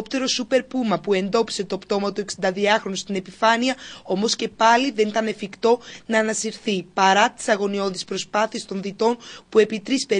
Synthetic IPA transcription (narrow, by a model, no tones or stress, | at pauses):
pt̪eɾo̞supe̞ɾpumɐpue̞nd̪o̞pi̥se̞t̪oɐpt̪o̞mɐt̪ueksind̪ɐðiɐxɾo̞nust̪ine̞pifɐniɐo̞mo̞sce̞pɐliðe̞nit̪ɐne̞fikt̪o̞nɐːnɐsiɾθipɐɾɐt̪i̥sɐɣo̞nio̞ðispɾo̞spɐθiest̪o̞nðit̪o̞npue̞pit̪ɾispe̞